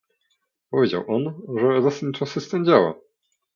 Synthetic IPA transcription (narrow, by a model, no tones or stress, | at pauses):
pɔvʲed͡ʑa̰wʔɔnʐɛzast̪ɛmʲt͡ʂasɛst̪ɛnd͡ʑawa̰